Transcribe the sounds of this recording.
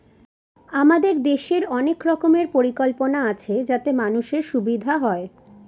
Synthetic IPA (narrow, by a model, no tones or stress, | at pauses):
amad̪eɾd̪eʃeɾɔnekɾɔkomeɾpoɾikɔlponaat͡ɕʰed͡ʑat̪emanuʃeɾʃubid̪ʱaɦɔe